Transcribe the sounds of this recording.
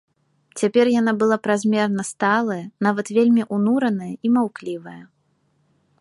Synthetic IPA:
t͡sʲapʲɛrjan̪abɨlˠapɾazʲmʲɛrnɐst̪alˠɐjɐnavɐt̪vʲelʲmʲiʔunuɾɐnɐjɐimawklʲivɐjɐ

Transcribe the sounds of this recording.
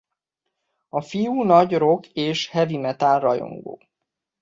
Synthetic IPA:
ɒfijuːnɒɟro̞keːʃhɛvimɛt̪alrɒjo̰ŋɡo̰ː

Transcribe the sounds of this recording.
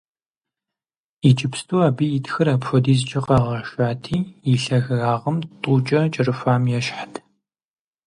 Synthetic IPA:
it͡ʃʼɪpstʰʼuːabijitxɨɾɐpfʷɔdiːzt͡ʃʼɪqɐʁɐʃaːtʰiːiɬɐɣɣaːʁɐmtʼuːt͡ʃʼɐt͡ʃʼɐrɨfaːmjɛʃħḁtʰ

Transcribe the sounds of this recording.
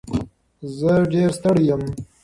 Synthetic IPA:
zəɖeːɾst̪əɽjəm

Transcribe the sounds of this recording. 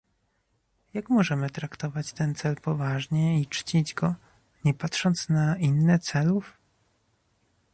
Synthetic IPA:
jakmɔʐɛmɘt̪ɾakt̪ɔvat͡ɕt̪ɛnt̪sɛlpɔvaʐɲɛit͡ʂt͡ɕid͡ʑɡɔ | ɲɛpat̪ʂɔnt̪snainːɛt̪sɛluf

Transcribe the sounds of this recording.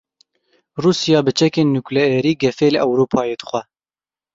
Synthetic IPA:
ruːsijɑːbɨt͡ʃʰɛkeːnːuklɛɛɾiːɡɛfeːlɨʔɛwɾuːpʰɑːjeːd̪ɨ̥xʷɛ

